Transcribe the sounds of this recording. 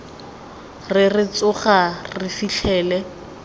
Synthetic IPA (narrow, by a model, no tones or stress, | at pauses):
rɪrɪt͡sʊχarɪfiɬʰɛːlɛ